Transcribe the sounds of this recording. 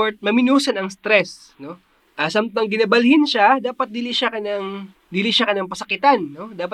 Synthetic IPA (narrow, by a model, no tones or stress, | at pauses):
ɹt̪̚mɐmɪnuːsɐnɐŋst̪ɾɛs | no̞ | ʔɐsamt̪ɐŋɡɪnɐbɐlhɪnʃad̪aːpɐt̪̚d̪ɪliʃakɐnɐŋ | d̪ɪliʃakɐnɐŋpɐsɐkɪt̪anːo̞d̪aːpɐ